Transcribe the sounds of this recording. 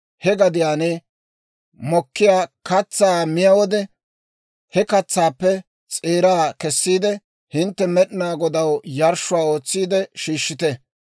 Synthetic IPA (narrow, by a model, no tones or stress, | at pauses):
hɛɡɐd̪ɪjaːneː | mɔkːɪjaːkɐt͡sːaːmɪjɐwɔd̪ɛ | hɛkɐt͡sːaːpːɛ | t͡sʼeːɾaːkɛsːiːd̪ɛ | hɪnt̪ːɛmɛɗnaːɡɔd̪ɐwjɐɾʃːʊwaːo̞ːt͡sːiːd̪ɛʃiːʃːɪt̪ɛ